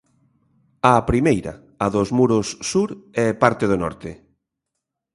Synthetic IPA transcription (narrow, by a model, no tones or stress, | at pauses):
ɐpɾimejɾɐ̰ | ɐðʊzmuɾʊsːuɾɛpaɾt̪eð̞onɔ̰ɾt̪ɪ